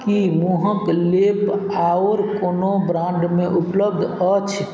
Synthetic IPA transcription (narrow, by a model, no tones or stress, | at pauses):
kimuɦə̃klepaoɾkonobɾãɳɖmeʔupləb̚d̪ʱət͡ʃʰ